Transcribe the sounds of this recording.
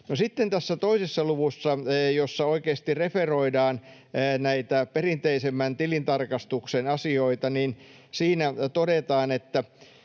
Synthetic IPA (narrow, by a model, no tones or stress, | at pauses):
nosit̪ːent̪æsːæt̪oisesːɑluʋusːɑjosːɑoikeːst̪ireferoidɑːnː | næit̪æperint̪eisemːænt̪ilint̪ɑrkɑst̪uksenɑsioit̪ɑnin | siːnæt̪odet̪ɑːnet̪ːæ